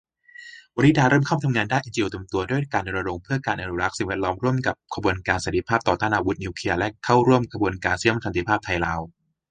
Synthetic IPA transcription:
wa˧ni˦˥daː˧ɾɤː˥˩mkʰa˥˩wt̪ʰa˧mŋaː˧ndaː˥˩jʔiː˧nt͡ɕi˧ʔeː˧t̪i˧əmt̪u˧ɐdu˥˩əjkaː˧ndo˧nɾa˧ɾo˧ŋpʰɯ˥˩ɐkaː˧nʔa˧nu˦ɾa˦˥k̚si˨˩ŋwɛː˦˥˩t̪̚lɔː˦˥mɾu˥˩əmka˨˩p̚kʰa˧bu˧ənkaː˧nsa˨˦t̪i˦˧pʰaː˥˩p̚t̪ɔː˨˩t̪aː˥˩nʔaː˧wu˦˥t̪̚niː˧kʰi˧ɐlɛ˦˥kʰa˥˩wɾu˥˩əmkʰa˧bu˧ənkaː˧nsi˧˥ə˨˩sa˨˦nt̪i˦pʰaː˥˩p̚t̪ʰa˧jlaː˦˧˥w

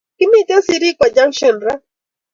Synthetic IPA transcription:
ki˦mi˦tɛ˦si˨ɾi˦kwa˨d͡ʒa˦ŋʃɔ˨nɾa˦

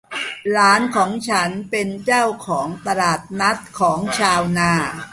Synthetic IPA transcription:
ɾaː˦˥nkʰɔː˩˦ŋt͡ɕʰa˦˥npe˧nt͡ɕaː˥˩wkʰɔː˩˦ŋt̪a˧ɾaː˨˩t̪̚na˦˥t̪̚kʰɔː˩˦ŋt͡ɕʰaː˧wnaː˧˩

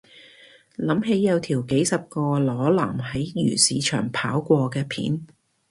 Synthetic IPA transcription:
lɐ˨˥mɦe˨˥jːɐ˨˧wt̪ʰiː˨˩wke˨˥jsɐ˨p̚kɔː˧lɔː˨˧˥laː˨˩mɦɐ˨˥jjy̰ː˨˩siː˨˧t͡ʃʰœ̰ː˨˩ŋpʰaː˨˥wkʷɔː˧kɛː˧pʰḭː˨˥n

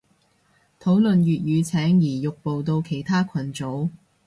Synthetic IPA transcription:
t̪ʰo˨˥wlɵ˨njyː˨t̚jyː˨˧t͡sʰɛː˨˥ŋjiː˨˩jʊ˨k̚po˨wt̪o˧wkʰe˨˩jt̪ʰaː˥kʷʰɐ˨˩nt͡so˨˥w

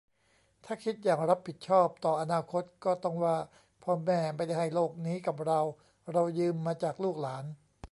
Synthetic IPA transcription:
t̪ʰaː˥˩kʰi˦˥t̪̚jaː˨˩ŋɾa˦˥p̚ʰːi˨˩t̪̚t͡ɕʰɔː˥˩p̚t̪ɔː˨˩ʔa˧naː˧kʰo˦˥t̪̚kɔː˥˩t̪ɔ˥˩ŋwaː˥˩ | pʰɔː˧mɛː˧˩ma˧jda˧˩jha˧˩jloː˥˩k̚niː˦˥ka˨˩p̚ɾa˧w | ɾa˧wjɯː˧mːaː˧t͡ɕaː˨˩k̚luː˥˩k̚laː˩˦n

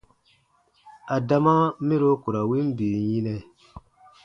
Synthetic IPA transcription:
a˨da˦ma˦mi˦ɾo˦ku˨ɾa˨wi˦m˦bi˨ji˦nɛ˨

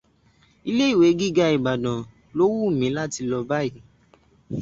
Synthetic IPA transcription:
i˦˧le˦i˦˨we˨˦ɡi˦˨ɡa˧i˨ɡ͡ba˨dã˨ | lo˦wu˦˨mĩ˨˦la˦ti˧lɔ˧ba˦i˨

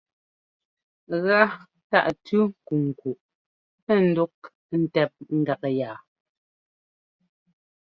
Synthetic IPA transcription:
ɣa˦ | ta̰˦˨ʔtʉ˦ŋ̩˨ku˨ŋ̩˨ku˨ʔ | ɛ˦˨n̩˨du˦k̚ | n̩˦˨tɛ˨p̚ŋ̩˨ɡa˨kjaː˨

